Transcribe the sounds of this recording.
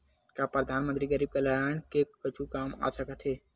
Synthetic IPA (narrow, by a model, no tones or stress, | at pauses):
kapɾəd̪ʱaːnmənt̪ɾiɡəɾiːb̚kelajankekːət͡ʃʰukaːma̰ːsəkət̪ʰeː